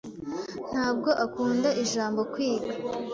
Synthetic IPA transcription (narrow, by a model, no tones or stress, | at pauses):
n̥haːb̚ɡo̞ʔakuːndaʔiʒaːmbo̞kwiːɡa